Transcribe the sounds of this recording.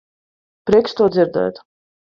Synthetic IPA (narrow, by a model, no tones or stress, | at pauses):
pɾiɛkst̪uɔd̪ziɾd̪ɛ̰jt̪